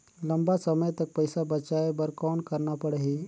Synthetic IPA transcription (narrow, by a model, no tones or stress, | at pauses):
ləmbasəməjt̪ək̚pəjsabət͡ʃaebəɾkɔːnkəɾnapəɽɦi